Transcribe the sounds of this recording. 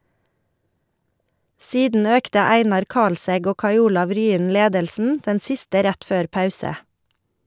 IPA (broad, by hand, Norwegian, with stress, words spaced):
ˈsiːdn̩ ˈøːktə ˈæɪnɑɾ ˈkɑlsɛɡ ˈoː ˈkɑɪ ˈuːlɑʋ ˈɾyːən ˈleːdəlsn̩ ˈdɛn ˈsɪstə ˈɾæt ˈføːɾ ˈpɑʉsə